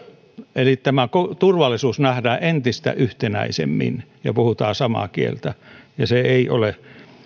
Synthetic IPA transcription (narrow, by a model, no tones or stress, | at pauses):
elitt̪æmækot̪urʋɑlːˑisuːsnæhdæːʔent̪ist̪æ̰ʔyht̪enæ̰isḛmːḭnjɑpuhut̪ɑːsɑmɑ̰kiḛlt̪æjɑseeiʔo̰le